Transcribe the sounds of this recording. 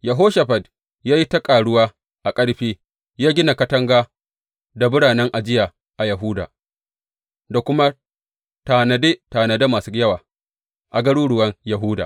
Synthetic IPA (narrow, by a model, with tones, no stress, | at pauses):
jɐ˨ɦoː˦ʃa˨ɸɐ˨d | jaː˦ji˦tɐ˦kʼaː˨ɽʊ˦waː˦ | ʔa˨kʼɐ˦ɽɸiː˦ | jaː˦ɡʲɪ˦na˨kɐ˦tɐ˦ŋɡaː˦ | da˨bʊ˦ɽaː˨nɛ˦ŋʔa˨d͡ʒɪ˦ja˨ | ʔa˨jɐ˨ɦu˦da̰ː˨ | da˨kʷʊ˦ma˦ | taː˨nɐ˨de˦taː˨nɐ˨da˦maː˨su˦jɐ˦waː˨ | ʔa˨ɡɐ˦ɽuː˦ɽʊ˨wɐ˦ŋjɐ˨ɦʊː˦da̰ː˨